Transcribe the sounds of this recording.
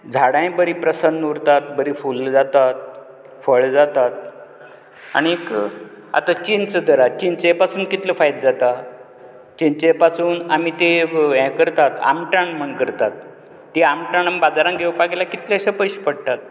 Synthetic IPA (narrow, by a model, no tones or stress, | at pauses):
d͡zʱaɽãjbəɾipɾəsənːuɾt̪at̪̚bəɾifuld͡zat̪at̪̚ | fəɭd͡zat̪at̪̚ | a̰ɽ̃iek | a̰t̪at͡ɕint͡səd̪əɾat͡ɕint͡ɕepasuːnkit̪ləfajd̪̚d͡zat̪a | t͡ɕint͡ɕepasuːnamit̪eɛ̃kəɾt̪at̪a̰mʈaɳm̤ənkəɾt̪at̪̚ː | iamʈaɳambad͡zaɾãŋɡʱewpaɡilakit̪leɕəpəjɕpəɽt̪at̪̚